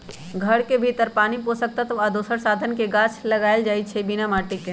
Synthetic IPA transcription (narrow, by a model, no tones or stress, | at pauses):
ɡʱəɽkebʱit̪əɾpaːniposək̚t̪at̪ɔad̪osəɾsaːd̪ʱənkeɡãːt͡ʃʰləɡaːeld͡ʒaːit͡ʃʰɛbinamaːʈike